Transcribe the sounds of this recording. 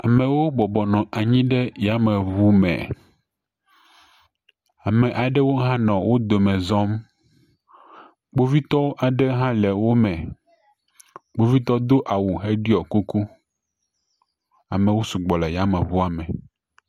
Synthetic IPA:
a˨mɛ̃˨wo˦bɔ˨bɔ˨nɔ̃˨ʔa˨ɲĩ˦ɖɛ˦ja˦mɛ˨βu˦mɛ̰˨ | a˨mɛ̃˨ʔa˨ɖɛ˦wo˦ɦã˦nɔ̃˨wo˦d̪o˨mɛ̃˨zɔ˦m | ɡ͡bo˦vi˦t̪ɔ˦wo˦ʔa˨ɖɛ˦ɦã˦lɛ˨wo˦mɛ̃˨ | ɡ͡bo˦vi˦t̪ɔ˦d̪o˦ʔa˨wu˨ɦe˦ɖi˦ɔ˨ku˦ku˦ | a˨mɛ̃˨wo˦su˨ɡ͡bɔ˨lɛ˨ja˦mɛ˨βu˦a˨mɛ̰̃˨

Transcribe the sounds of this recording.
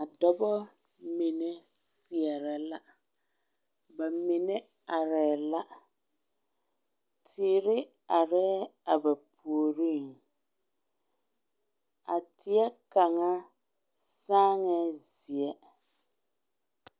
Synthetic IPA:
a˨dɔ˦bɔ˦ | mi˨nɛ˦sɪ˨ɛ˨ɾɛ˨la˦ | ba˨mɪ˨nɛ˦ | a˨ɾɛː˨la˦ | tʰɪː˨ɾɪ˦ | a˨ɾɛː˦a˨ba˨pʰu˨o˨ɾi˦˨ŋ | a̰˨tʰɪ˨ɛ˦ka˨ŋa˦ | saː˦ŋɛ˦zi˨ɛ˦

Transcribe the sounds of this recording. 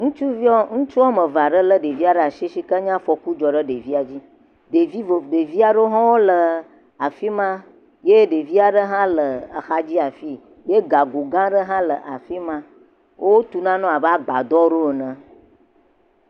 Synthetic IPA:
ŋũ˦t͡ʃu˦vi˦ɔ˦ŋũ˦t͡ʃu˦ɔ˦mə˨va˨ɖə˦lə˦ɖe˨vi˦a˨ɖə˦a˨ʃi˦ʃi˦ka˦ɲã˦fɔ˨ku˦d͡ʒɔ˨ɖə˦ɖe˨vi˦a˨d͡ʑi˦ | ɖe˨vi˦vo˨ɖe˨vi˦a˨ɖə˦ɦɔ̃˦wo˦lə˨ | a˨fi˦mã˦ | je˦ɖe˨vi˦a˨ɖə˦ɦã˦lə˨ə˨xa˦d͡ʑi˦a˨fi˦ | je˦ɡa˨ɡo˨ɡã˦ɖə˦ɦã˦lə˨ʔa˨fi˦mã˦ | wʔo˦wo˦t̪u˨nã˦nɔ̃˦a˨bə˦a˦ɡ͡ba̰˨d̪ɔ˦ɖo˦˨nə̃˨

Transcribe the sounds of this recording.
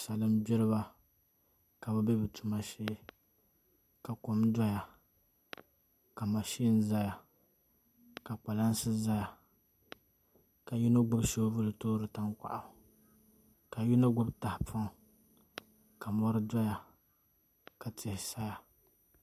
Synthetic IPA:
sa˨lɨ˦m˦bɛ˦lɨ˦ba˦ | ka˨bɨ˦bɛ˦bɨ˨tʰu˨ma˦ʃe˦ | ka˨kʊ˨mdɔ˦ja˨ | ka˨ma˨ʃi˦n̩˦za˦ja˨ | ka˨k͡pa˨la˦n˦sɨ˦za˦ja˨ | ka˨ju˦na˦ɡʊ˦bʃo˦vʊ˦lɨ˨toː˦ɾɨ˨ta˦ŋkʷa̰˨ʔa˨ | ka˨ju˦na˦ɡʊ˦bta˨hɪ˨pʰa˦ŋ˨ | ka˨mɔ˦ɾɨ˦dɔ˦ja˨ | ka˨tʰɪ˨hɪ˨sa˦ja˨

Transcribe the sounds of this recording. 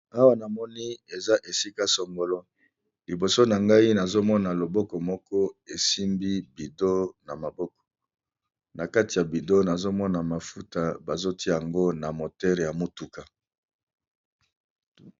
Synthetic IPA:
a˦wa˦˨na˨mɔ˦ni˦e˨za˦ʔe˨si˦ka˦sɔ˨ŋɡo˨lɔ˦ | li˨bo˨so˦na˨ŋɡa˦i˦na˨zo˦mɔ˦na˨lo˨bɔ˦kɔ˨mɔ˦kɔ˦e˨si˦mbi˦bi˨do˦na˨ma˨bɔ˦k̚ɔ̥˨ | na˨ka˦ti˨ja˨bi˨do˦na˨zo˦mɔ˦na˨ma˨fu˦ta˨ba˨zo˦ti˦a˦˨a˨ŋɡo˦na˨mo˨tɛ˦ʁe˨ja˨mo˦tu˨ka˨

